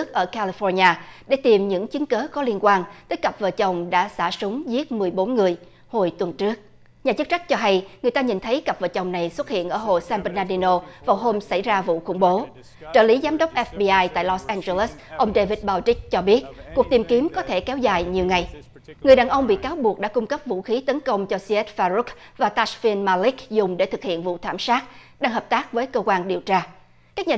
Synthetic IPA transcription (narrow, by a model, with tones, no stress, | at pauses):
ək̚ʔəː˧˩ka˧li˧fɔ˧ɲaː˧ɗe˧˩t̪i˨˩mɲɨ̰˧˥ŋt͡ɕɨ˨˦ŋkəː˨˦kɔ˨˦li˧ənkwaː˧nt̪əː˨˦jkə˨˩p̚vəː˨˩t͡ɕə˨˩wŋ͡mɗa̰ː˧˥sa̰ː˧˩sʊ˨˦ŋ͡mzi˦˥ət̚mɨ˨˩əjɓo˨˦nŋɨ˨˩əj | ho˨˩jt̪wə˨˩nt͡ɕɨ˦˥ək̚ | ɲaː˨˩t͡ɕɨ˦˥t̚t͡ɕa˦˥k̚t͡ɕɔ˧ɦa˧jŋɨ˨əjt̪aː˧ɲi˨˩nt̪ʰə˨˦jkə˨˩p̚vəː˨˩t͡ɕə˨˩wŋ͡mna˨˩jswə˦˥t̚hḭ˧˨ənʔəː˧˩ɦo̰˧˨saː˧nɓə˧naː˧ɗi˧no˧vaː˨˩wɦo˧msa˧˩jzaː˧vṵ˧˨xʊ̰˧˩ŋ͡mɓo˨˦ | t͡ɕə̰ː˧˩li˨˦zaː˨˦mɗə˦˥wk͡p̚ʔɛ˦˥fɓi˧ʔaː˧jt̪a̰ː˧˨jlɔ˧sʔɛ˧nze˧lə˦˥sʔə˧wŋ͡mɗe˧vi˦˥t̚ɓaː˧wt͡ɕi˦˥k̚t͡ɕɔ˧ɓi˦˥ət̚ku˨˩ək̚t̪i˨˩mki˨˦əmkɔ˨˦t̪ʰe˧˩kɛ˨˦wza̰ː˨˩jɲi˨˩əwŋa˨˩j | ŋɨ˨˩əjɗaː˨˩nʔə˧wŋ͡mɓḭ˧˨kaː˨˦wɓu˨˩ək̚ɗa̰ː˧˥kʊ˧ŋ͡mkə˦˥p̚vṵ˧˨xi˨˦t̪ə˨˦nkə˧wŋ͡mt͡ɕɔ˧si˧ɛ˦˥t̚faː˧zu˦˥k̚vaː˨˩t̪aː˧sfi˧nmaː˧li˦˥k̚zʊ˨˩ŋ͡mɗe˧˩t̪ʰɨ˨˩k̚hḭ˧˨ənvṵ˧˨t̪ʰaː˧˩msaː˦˥t̚ɗaː˧ŋɦəː˨˩p̚t̪aː˦˥k̚vəː˨˦jkəː˧kwaː˧nɗi˨˩əwt͡ɕaː˧ | kaː˦˥k̚ɲaː˨